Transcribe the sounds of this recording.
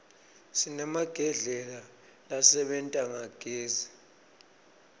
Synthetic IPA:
sinamaɡ̥ʱɛɮɛla | lasɛɓɛntʼaŋaɡ̥ʱeːzi

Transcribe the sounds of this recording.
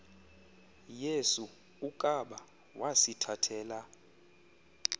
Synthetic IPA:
jesu | ukʼaɓa | wasitʰatʰɛːla

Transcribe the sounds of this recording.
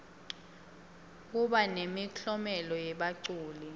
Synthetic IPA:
k̬uɓanemiɬʰɔmɛlɔjɛɓaǀuːli

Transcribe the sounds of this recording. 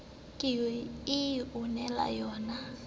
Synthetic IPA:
kʼɪɪjiunɛla̰jɔːna

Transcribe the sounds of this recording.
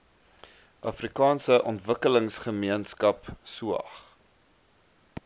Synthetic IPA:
ʔɐfrikɑːnsəʔɔntvəkələŋsχəmiənskɐpsuɐ̰χ

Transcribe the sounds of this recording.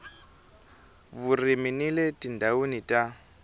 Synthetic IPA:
βuriminiletʼindʱaunitʼa

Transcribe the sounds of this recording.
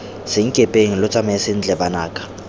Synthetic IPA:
sɪŋ̩kʼepʼeŋ̩lʊt͡sʼamɛsɪn̩t͡ɬʼɛbanaːkʼḁ

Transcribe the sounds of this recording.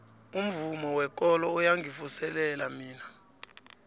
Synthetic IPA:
um̩vumɔwɛk̬ʼɔlɔujaŋɡʱifusɛlɛlamiːna

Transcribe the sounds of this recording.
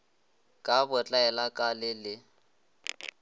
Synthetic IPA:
kʼabʊt͡ɬʼaɛlakʼalɪlɪ

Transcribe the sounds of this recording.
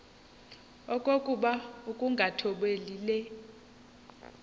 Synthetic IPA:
ɔkʼokʼuɓaukʼuŋɡʱatʰɔɓeliːlɛ

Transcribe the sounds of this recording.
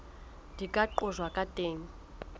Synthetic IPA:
dikʼaǃʊzwakʼatʼeːŋ̩

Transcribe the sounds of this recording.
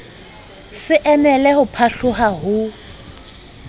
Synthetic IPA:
sɪʔɛmɛlɛhʊpʰaɬʊɦaɦʊ

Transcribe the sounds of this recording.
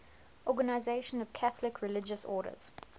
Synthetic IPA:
ʔɔɡənaɪzeɪʃə̃nɔv̥kʰaθlɪkʰɹɪlɪd͡ʒəsɔ̰ːɾə̰z̥

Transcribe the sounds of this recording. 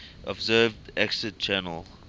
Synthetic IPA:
ʔɔbzɜːvdɛksət̚t͡ʃɛːnəl

